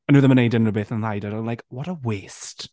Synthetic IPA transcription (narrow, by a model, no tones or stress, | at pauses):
aɪnoːðəməneɪdənɹəbɪθə̃najdəɾãlajkwɔɾəwest